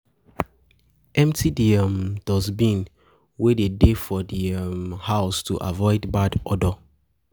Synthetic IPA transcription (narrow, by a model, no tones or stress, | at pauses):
ʔɛ̃mtʰidiamd̥ɔzbĩn | wededefɔdiamhaʊstʰuʔa̰vɔɪdbadɔdɔ